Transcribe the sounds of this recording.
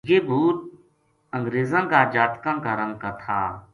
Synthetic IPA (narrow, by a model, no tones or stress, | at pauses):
jeːbʱuːt̪̚ | əŋɡɾeːzãːkaːd͡ʒaːt̪kãːkaːɾəŋkaːt̪ʰa̰ː